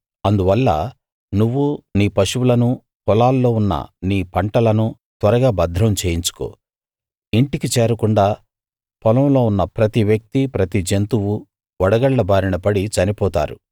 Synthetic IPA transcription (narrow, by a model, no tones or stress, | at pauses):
ɐnd̪uʋɐlːɐ̰ | nuʋːuniːpɐʃuwulɐnu | pɔlaːlːo̞ːunːɐ̰niːpɐɳʈɐlɐnu | t̪ʋɐɾɐɡaːbɐd̪ʱːɾɐmt͡ʃe̞ːjiɲt͡ʃu̥ko̰ː | iɳʈikit͡ʃeːɾɐkuɳɖaː | pʰɔlɐmlo̞ːunːɐpɾɐt̪iʋjɐk̚t̪ipɾɐt̪id͡ʒent̪uwu | ɔɽɐɡɐɭːɐbaːɾiɳɐpɐɽit͡ʃɐnipɔːt̪a̰ːɾṵ